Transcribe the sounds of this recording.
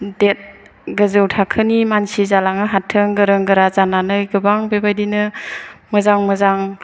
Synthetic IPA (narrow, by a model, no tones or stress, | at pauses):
det̚ | ɡəzɯwtʰakʰɯnimansizalaŋɯɦatʰɯŋɡɯɾɯŋɡɯɾazananɯjɡɯbaŋbebajdinɯmɯzaŋmɯzaŋ